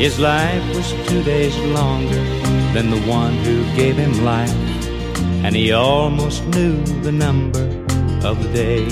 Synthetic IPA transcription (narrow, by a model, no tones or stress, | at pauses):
hɨzlaɪfwʌz̥tʰʉdeɪzlɔ̃ŋɡə˞ | ðɨ̃nðəwʌ̃nhʉɡeɪv̥ɨ̃mlaɪf | ɨ̃niɔlˠmoʊstnʉ | ðɨnʌ̃mbə˞ | ʌvðɨdeɪ